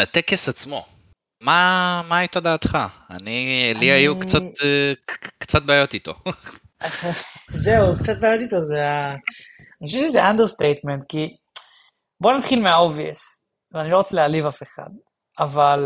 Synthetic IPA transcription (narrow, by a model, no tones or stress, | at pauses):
at̪ekesat͡smo̞̰ | mamaːit̪ad̪aːt̪χaa̰niliajukt͡sat̪ | kt͡sat̪̚baːjo̞t̪it̪o̞̰ | zeuukt͡sat̪̚baːjo̞t̪it̪o̞zea | niʃeʃezeʔand̪est̪ejt̪ment̪ki | bo̞nat̪χilmeao̞viḛs | veanilo̞ʁot͡selealivafe̞χa̰d̪̚ | aval